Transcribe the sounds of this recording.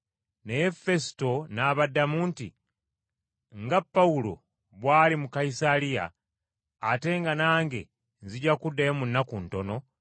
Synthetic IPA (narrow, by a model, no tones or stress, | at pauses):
nejefe̞si̥to̞naβadːamuntḭ | ŋɡapːaulo̞̰ | βwaːlimukaisalija̰ː | te̞ŋɡanaːŋɡe̞̰ | nziɟakudːajemunːakunto̞no̞